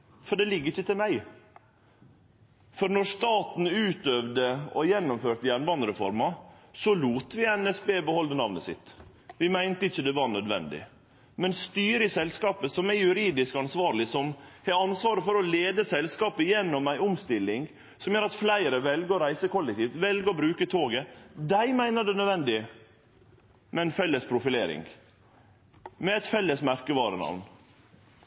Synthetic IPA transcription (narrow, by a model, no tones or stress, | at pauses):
fɔɖɛlɪɡːəɾɪçːət̪ʰɪlmæɪ | fɔɾnɔɾʂt̪ɑːt̪n̩ʉːt̪øʋd̪əɔjɛnːɔmføːɾt̪əjænʋɑnd̪ɾɛfɔ̰ɾmɑsɔluːt̪ʋɪɛnɛsbeːbəhɔld̪ənɑʋnəsɪ̰t̪ | ʋɪmæɪnt̪əɪçːəd̪ɛʋɑɾɳœd̪ʋɛ̰nd̪ɪ̰ | mɛnst̪yːɾɪsɛlskɑːpəsɔmæjʉɾiːd̪ɪskɑnsʋɑːɾɭɪsɔmhɛɑnsʋɑːɾəfɔɾɔleːd̪əsɛlskɑːpəjɛnːɔmæɪɔmst̪ɪlːɪŋ | sɔmjøːɾɑt̪flæɪɾəʋɛlɡəɔɾæɪsəkɔlːɛk̚t̪ʰiːft̪ʋɛlɡəɔbɾʉːkət̪ʰoːɡəd̪æɪmæɪnəd̪ɛnœd̪ʋɛnd̪ɪ | mɛɛnfɛlːəspʰɾʊfɪleːɾɪ̰ŋ | mɛɛt̪fɛlːəsmæɾkəʋɑːɾənɑ̰ʋn